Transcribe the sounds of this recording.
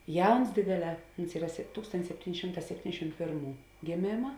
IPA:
ˈjɛʊns ˈdʲeːdʲeːˌlʲɛː ˈʊns ˈiːrɐ sʲɛ ˈtuːkstoːnʲtʲɪs ˈsʲæːpʲˌtʲiːnʲ ˈʃʲɪmˌtɑː sʲɛpʲˈtʲiːnʲdʲɛʃʲɪm ˈpʲeːrˌmuː ɡʲeːˈmʲeːmɐ

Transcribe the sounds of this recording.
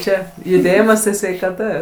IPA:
ˈt͡ʃʲɛ jʊˈdʲeːjɪmɐs tɐɪ sʲʋʲɛɪkɐˈtɐ

